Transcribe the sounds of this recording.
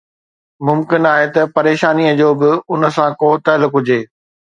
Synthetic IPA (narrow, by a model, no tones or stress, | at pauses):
mʊmkɪnaːɦet̪ɐpɐɾeːʃaːniəd͡ʑoːbɪʊnə̆sãkoːt̪ɐlʊkɦʊd͡ʑeː